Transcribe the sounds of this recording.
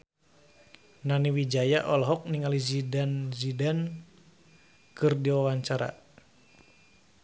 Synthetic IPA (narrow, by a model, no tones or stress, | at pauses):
naniwid͡ʒajaʔɔlɦɔk̚niŋalizidanzidan | kɨrdiwawaɲt͡ʃaɾa̰